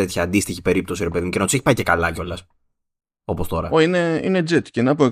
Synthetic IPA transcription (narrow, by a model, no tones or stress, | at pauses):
et̪çɐːnd̪ist̪içipe̞ɾip̚t̪o̞siɾepeðimucenɐt̪u̥seçipɐice̞kɐlɐco̞lɐs | o̞po̞st̪o̞ɾɐoineḭned͡zet̪ceinɐpoe